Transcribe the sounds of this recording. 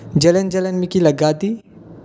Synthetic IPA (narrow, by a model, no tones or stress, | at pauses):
d͡ʒɐlənd͡ʒɐlənmikilɐɡaːd̪i